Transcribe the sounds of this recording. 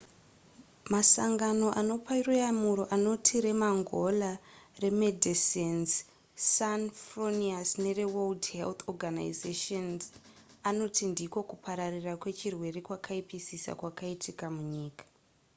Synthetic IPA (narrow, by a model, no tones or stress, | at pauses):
masaŋɡano̞ʔano̞pairujamuɾo̞ʔano̞tʰiɾe̞maŋɡo̞lare̞medʱisenz | sanfroniasne̞re̞weldhḛlt̪oɡana̰izeʃonz | ano̞tindiko̞kupʰaɾarirakwe̞t͡ʃirwe̞re̞kwakʰaipisisa̰kwakaitʰikamuɲiːkḁ